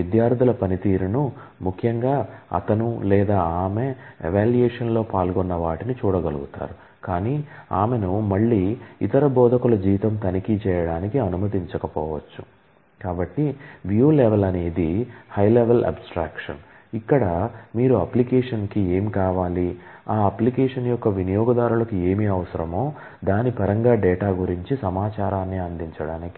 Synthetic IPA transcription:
id̪jaːɾt̪ilɐpɐnit̪iːɾunu | mukʰjɐŋɡaːɐ̰t̪ɐnulɛːd̪aːaːmeɛ̰ʋaːljɛːʂɐnlo̞ːpaːlɡɔnːɐʋaːʈinit͡ʃuːɽɐɡɐluɡut̪a̰ːɾu | kaːniːa̰ːme̞numɐɭːiːḭt̪ɐɾɐbɔːd̪ʱɐkulɐd͡ʒiːʋit̪ɐmt̪ɐnikit͡ʃɛːjɐɽaːnikiɐnumɐd̪iɲt͡ʃɐkɐpɔːʋɐt͡ʃːu | kaːbɐʈːiʋjuːleʋelɐne̞ːd̪ihɐjleʋelʔɐ̰bsʈɾaːkʂɐ̰n | ikːɐɽɐmiːɾuɐplikɛːʂɐnkie̞ːmikaːʋaːliaːɐplikɛːʂɐnjɔkːɐʋinijɔːɡɐd̪aːɾulɐkue̞ːmiɐʋɐsɐɾɐmo̞ː | d̪aːnipɐɾɐŋɡaːɖɛːʈaːɡuɾiɲt͡ʃisɐmaːt͡ʃaːɾaːnːiɐnd̪iɲt͡ʃɐɽaːniki̥

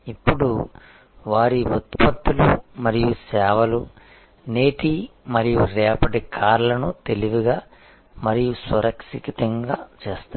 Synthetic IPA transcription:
ipːuɽu | ʋaːɾiut̪̚pɐt̪ːulṵmɐɾijusɛːʋɐlu | ne̞ːʈimɐɾijuɾɛːpɐʈikʰaːɾlɐnut̪eliʋiɡaː | mɐɾijusʋɐɾʔɐksikit̪ɐŋɡaːt͡ʃeːst̪u

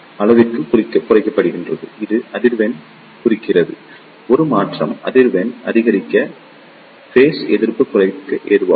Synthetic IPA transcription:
ɐlɐʋɪrkɯkɾɪkːɐkʊrɐɪkːɐpːɐɽɯɣɪndrɐðɯ̰ʔɪðɯʔɐðɪɾʋɛn | kʊrɪkːɪrɐðɯ | ɔɾɯmaːʈrɐ̰mɐðɪɾʋɛnʔɐðɪɣɐɾɪkːɐ | feːsɛðɪɾpːɯkːʊrɐɪkːɐʔeːɾɯʋa̰ː

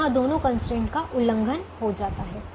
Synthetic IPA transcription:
ãd̪oːnõkə̃nsʈẽːɳʈkaʔʊlə̃ŋɡʱənhod͡ʒaːt̪aɦɛː

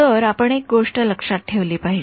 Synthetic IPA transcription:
əɾapəɳek̚ɡoʂʈələkʂat̪̚ʈʰeʋliːpaɦi

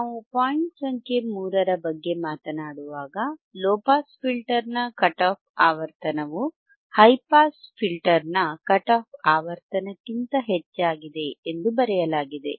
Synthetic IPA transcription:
naːʋupaːjiɳʈsɐŋkʰe̞muːɾɐɾɐbɐɡːe̞maːt̪ɐnaːɽuʋaːɡɐlɔːpaːspʰilʈɐɾnɐkɐʈaːp̚ʰaːʋɐɾt̪ɐnɐʋu | hɐjpaːspʰilʈɐɾnɐkɐʈaːp̚ʰaːʋɐɾt̪ɐnɐkːint̪ɐɦet͡ʃːaːɡid̪e̞ːnd̪ubɐɾɛjɐlaːɡid̪e̞̰

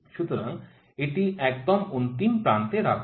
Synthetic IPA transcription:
ʃut̪oɾaŋ | eʈiɛk̚d̪ɔmunt̪impɾant̪eɾa̰kʰ

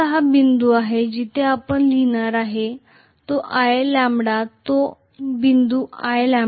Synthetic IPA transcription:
ɦabind̪uaɦed͡ʑit̪ʰeapəɳlinaɾaɦe | t̪oʔajelãmbɽat̪o | bind̪uːaelãm

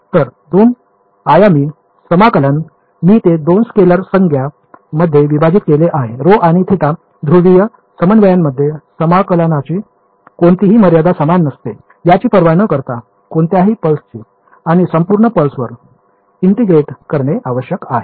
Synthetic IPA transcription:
t̪əɾd̪un | ajamiː | səmakələn | miːt̪ed̪onskeləɾsəŋɡʱja | məd̪ʱːjeʋibad͡ʑit̪̚keleʔaɦeɾoʔaɽ̃it̪ʰit̪a | d̪ʱɾuɽijə | səmənʋəjamːəd̪ʱːjesəmakələnat͡ɕi | koɳt̪iɦiːməɾjad̪asəmanːəst̪e | jat͡ɕiːpəɾʋanəkəɾt̪a | koɳt̪jaɦiːpəlst͡ɕiː | aɽ̃isəmpuɾɳəpəlsʋəɾ | iɳʈiɡɾeʈkəɾɳeʔaʋəɕjəkaɦe

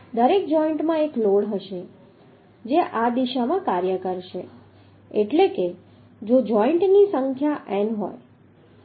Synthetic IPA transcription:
d̪əɾek̚d͡ʒɔiɳʈmãekloɽɦəʃe | d͡ʒeʔad̪iʃamãkaɾjəkəɾʃe | eʈleke | d͡ʒod͡ʒɔiɳʈnisəŋkʰjaʔɛnɦo̰j

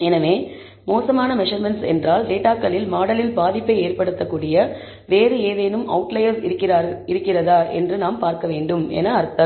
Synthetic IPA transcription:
ɛnɐʋeː | moːsɐmaːnɐmɛʂɐɾmɛnʈsɛ̰ndraːlɖeːʈːaːkːɐlɪlmaːɽɐlɪlbaːðɪpːɐɪeːrpɐɽɯt̪ːɐkːuːɽɪjɐ | ʋeːɾɯeːðeːnɯmɐ̰ʋʊʈlɐjɐɾsɪkːɪɪɾɯkːɪrɐðaːʔɛ̰ndrɯnaːmpaːɾkɐʋeːɳɖɯmɛ̰nɐːɾt̪ːɐ

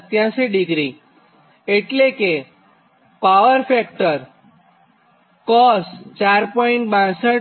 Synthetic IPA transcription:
t̪jãsiɖiɡɾi | eʈleke | paʋəɾfɛk̚ʈəɾ | kɔst͡ʃaɾpɔĩɳʈbãsə

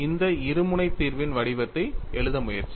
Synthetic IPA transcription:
ɪnd̪ɐɪɾɯmɯnɐɪt̪ːiːɾʋɪnʋɐɽɪʋɐt̪ːɐɪʔɛɭɯðɐmʊjɐɾt͡ʃːi

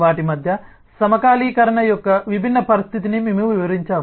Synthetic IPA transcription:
ʋaːʈimɐd̪ʱjɐ | sɐmɐkaːliːkɐɾɐɳɐjɔkːɐʋibʱinːɐpɐɾist̪ʰit̪inimimuʋiʋɐɾiɲt͡ʃaːʋ

